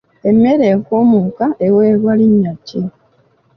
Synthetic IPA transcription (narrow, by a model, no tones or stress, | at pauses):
emeɾekomukaʔeweːɣwaliɲːaci